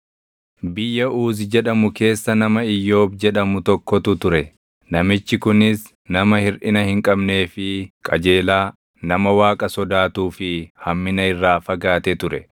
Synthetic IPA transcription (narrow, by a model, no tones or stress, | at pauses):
bɪjːɐuːzɪd͡ʒɛᶑɐmʊke̞ːsːɐnɐmɐɪjːo̞ːbd͡ʒɛᶑɐmʊt̪ɔkːɔt̪ʊt̪ʊɾɛ | nɐmɪt͡ʃːɪkʊnɪs | nɐmɐhɪɾᶑɪnɐhɪŋkʼɐbne̞ːfɪkʼɐd͡ʒe̞ːlaː | nɐmɐwaːkʼɐsɔd̪aːt̪uːfɪhɐmːɪnɐɪrːaːfɐɡaːt̪ɛt̪ʊɾɛ